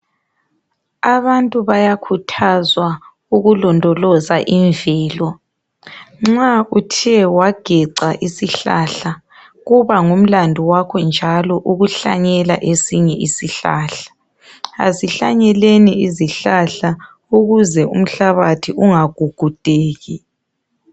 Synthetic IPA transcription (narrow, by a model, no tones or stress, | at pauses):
aβantʼuβajakʰutʰazwa | uɣulɔndʱɔlɔzaʔiɱvɛːlɔ | ŋ͡ǁautʰiɛwaɡ̥ʱɛǀaʔisiɬa̰ɬa | ɣuβaŋum̩landʱuwakʰɔnd͡ʒʱalɔʔuɣuɬa̰ɲɛla̰ʔesiɲɛʔisiɬa̰ːɬḁ | a̰ziɬaɲɛleniiziɬaɬa | uɣuzɛum̩ɬaβatʰiuŋaɡ̥ʱuɡ̥ʱud̥ʱeːɣi